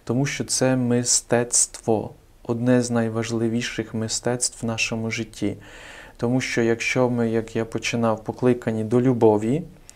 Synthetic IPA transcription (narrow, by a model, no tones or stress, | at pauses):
t̪ɔmuʃt͡ʃɔt̪sɛmɪst̪ɛt̪st̪ʋɔ | ɔd̪nɛznɐjʋɐʒlˠɪʋʲiʃɪxmɪst̪ɛt̪st̪ʋwʋnɑʃɔmʊʒɪtʲːit̪ɔmuʃt͡ʃɔjɐkʃt͡ʃɔmɪjɐkjapɔt͡ʃɪnɑwpɔklˠɪkɐnʲid̪ɔlʲubɔʋʲi